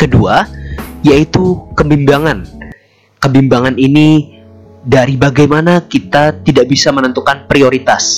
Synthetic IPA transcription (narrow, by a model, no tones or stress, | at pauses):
kəduajait̪ukəbimbaŋan | kəbimbaŋanini | daɾibaɡajmanakit̪at̪idaʔbisamənənt̪ukanpɾioɾit̪as